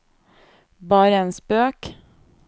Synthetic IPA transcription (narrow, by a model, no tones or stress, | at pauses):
bɑːɾəenspøːk